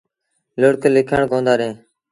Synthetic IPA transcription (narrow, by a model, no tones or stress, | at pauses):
ləɽklɪkʰəɳkõːnd̪aːɾẽː